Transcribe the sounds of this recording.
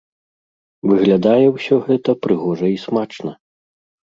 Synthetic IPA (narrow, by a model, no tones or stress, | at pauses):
vɨɣlʲad̪ajɛwsʲɔɣɛt̪ɐpɾɨɣɔʐɐismat͡ʂnɐ